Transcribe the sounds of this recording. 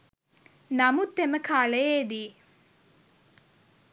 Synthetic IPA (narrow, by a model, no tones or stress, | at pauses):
nɐmut̪ːeməkʰaːlejeːd̪iː